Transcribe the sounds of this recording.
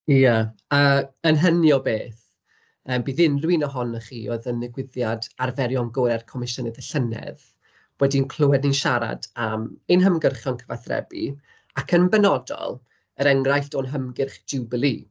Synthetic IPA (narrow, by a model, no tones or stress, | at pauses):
ijəəənɦənjɔbeːθ | əːmbiːðɨnrwinɔɦɔnəχiːoɨðənːɪɡwɪðjadarvɛɾjɔnɡʊɾɛrkʰɔmɪʃənɪðəɬənɛ̰ð | wɛdinkʰl̥ˠʊwɛdninʃaɾa̰damenɦəmɡərχjɔnkʰəvaθrɛ̰bḭ | akʰənbɛnɔdɔ̰lˠ | əɾɛŋrajɬd̥oːnɦəmɡɪrχdɪwbəlˠi